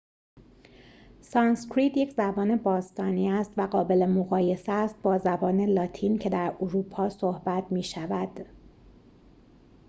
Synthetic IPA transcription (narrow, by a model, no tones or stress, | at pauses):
sɒnskɾit̪jecʰzæbɒːne̞bɒːst̪ɒːniːæst̪væɢɒːbe̞le̞moɣɒːje̞seːst̪̚bɒːzæbɒːne̞lɒːt̪ʰiːncʰe̞d̪æɾoɾuːpʰɒːsohbæt̪ʰmiːʃævæd̪̥